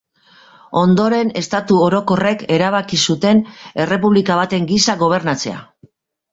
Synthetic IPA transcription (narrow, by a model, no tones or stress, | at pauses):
o̞nd̪o̞ɾe̞ne̞st̪at̪uo̞ɾo̞ko̞re̞ke̞ɾaβ̞akisut̪e̞ne̞re̞puβlikaβ̞at̪e̞ŋɡisaɣo̞β̞e̞ɾnat͡se̞a̰